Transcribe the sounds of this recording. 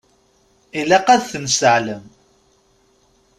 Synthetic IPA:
ilæqæðθənsəʕləm

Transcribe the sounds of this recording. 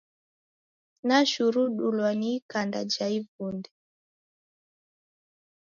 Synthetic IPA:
naʃuɾuɗulwanikandad͡ʒaivundɛ

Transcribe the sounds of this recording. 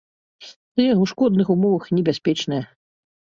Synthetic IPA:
t̪ɨjɛwʂkɔd̪nɨxumɔvɐxnʲɛbʲasʲpʲɛt͡ʂnɐjɐ

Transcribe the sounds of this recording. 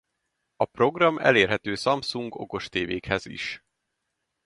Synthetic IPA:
ɒpro̞ɡrɒmʔɛ̰leːrɦɛt̪øːsɒmsuŋɡo̞̰ko̞ʃt̪eːveːkhɛzḭʃ

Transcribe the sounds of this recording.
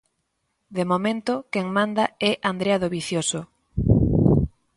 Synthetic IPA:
d̪emomẽnt̪ʊkeŋmãnd̪aɛʔand̪ɾeaðoβiθjoso

